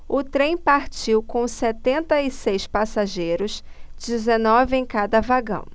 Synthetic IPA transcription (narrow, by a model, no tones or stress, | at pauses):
ʊt̪ɾẽj̃paɾt͡ʃiwkõw̃sɛt̪ẽnt̪ɐisejspasaʒejɾʊsd͡ʒizenɔvɪẽj̃kad̪ɐvaɡɐ̰̃w̃